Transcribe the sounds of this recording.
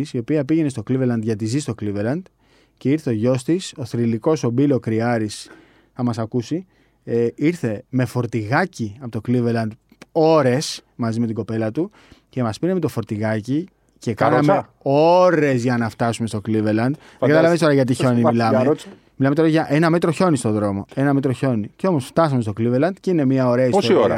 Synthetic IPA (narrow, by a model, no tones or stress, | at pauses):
sio̞piɐpiʝe̞ne̞st̪o̞klivelɐnd̪ʝɐt̪̬izist̪okliveɾlɐnd̪̥ | ce̞iɾθeoʝo̞st̪iso̞θɾiliko̞so̞bilo̞kɾiɐɾis | θɐmɐsɐkusi | eiɾθe̞me̞fo̞ɾt̪iɣɐciɐpot̪o̞kliveɾlɐnd̪ | o̞ɾe̞smɐzimet̪iɡo̞pe̞lɐt̪u | ce̞mɐspineme̞t̪o̞fo̞ɾt̪iɣɐci | cekɐme | oɾe̞zʝɐnɐft̪ɐsume̞st̪o̞kliveɾlɐnd̪ | ɡɐt̪ɐlɐvenist̪oɾɐʝɐt̪̬iço̞nimmilɐme | milɐmet̪oɾɐʝɐʔenɐmet̪ɾo̞ço̞nist̪o̞ðɾo̞mo̞e̞nɐmet̪ɾo̞ço̞niceo̞mo̞sft̪ɐsɐmest̪o̞kliveɾlɐnd̪̥ceine̞miɐo̞ɾe̞ɐisosoioɾɐ